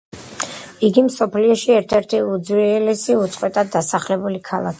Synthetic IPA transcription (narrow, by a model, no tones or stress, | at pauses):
iɡimsɔpʰliɔʃiɛɾt̪ʰɛɾt̪ʰiud̪zwiɛlɛsiut̪sʼqʼwɛt̪ʼad̪ːasaχlɛbulikʰalˠa̰kʰi̥